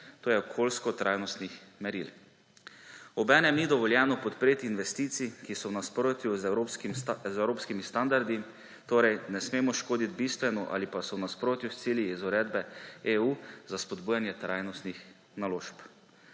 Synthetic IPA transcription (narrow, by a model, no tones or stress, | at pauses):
t̪oːjɛokʰolskɔt̪ɾʔajnɔst̪nixmɛɾḭl | ɔbɛːnɛmnid̪ɔʋɔljɛːnɔpɔt̪pɾeːt̪iːnʋɛst̪iːt̪sikisɔwnaspɾoːt̪juzokmzɛwɾoːpskimist̪and̪aɾd̪i | t̪oːɾɛjnɛsmeːmɔʃkoːd̪it̪̚bist̪ʋɛnɔʔa̰lipasɔwnaspɾoːt̪just̪siːljiizuɾɛːd̪bɛeːuːzaspɔd̪buːjanjɛt̪ɾajnɔst̪nix | naloːʃp